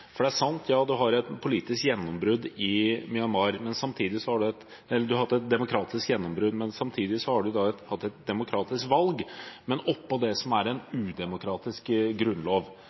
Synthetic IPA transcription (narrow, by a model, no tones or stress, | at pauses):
fɔɖɛææʂɑnt̪ʰjɑːd̪ʉɦɑɾɛt̪pʰʊliːt̪ɪskjɛnːɔmbɾʉd̪ɪmʏɑnmɑɾmɛnsɑmt̪ʰiːd̪ɪsɔhɑɖʉɛt̪ | ɛlːəɖ̪ʉhɑt̪ːɛt̪̚d̪ɛmʊkʰɾɑːt̪ɪskjɛnːɔmbɾʉd̪mɛnsɑmt̪ʰiːd̪ɪsɔhɑɖʉd̪ɑɛt̪hɑt̪ːɛt̪̚d̪ɛmʊkʰɾɑːt̪ɪskʋɑlɡmɛnɔpːɔd̪ɛsɔmæɾɛnʉːd̪ɛmʊkʰɾɑːt̪ɪskɡɾʉnloːʋ